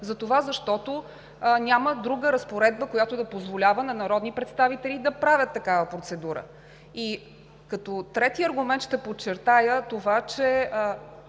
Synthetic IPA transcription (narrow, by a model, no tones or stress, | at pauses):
zɐt̪ovazɐʃt̪ɔt̪o | nʲaməd̪ɾuɡəɾɐspoɾɛd̪̚bəkojat̪od̪ɐpozvolʲavənɐnɐɾɔd̪nipɾɛt̪st̪avit̪ɛlid̪ɐpɾavʲət̪ːɐkavəpɾot̪sɛd̪uɾə̰ | i | kɐt̪ɔt̪ɾɛt̪iɐɾɡʊmɛnt̪ʃt̪ɛpott͡ʃːɛɾt̪ajət̪ovat͡ʃɛ